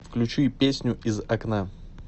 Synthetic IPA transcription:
fklʲʉt͡ɕipʲesʲnʲʊʔɪzɐkna

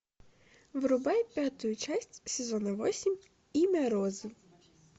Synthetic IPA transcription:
ʋɾʊbɛjpʲjat̪ʊjʊt͡ʃasʲtʲsʲezɔnɐʋɔsʲim | imeɾɔzɪw

